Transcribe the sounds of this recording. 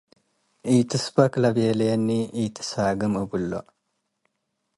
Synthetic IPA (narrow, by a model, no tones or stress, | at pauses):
ʔiːt̪ʰɨsbɐklɐbeːlenːiʔiːt̪ʰɨ̥saːɡɨmɨbulːo̰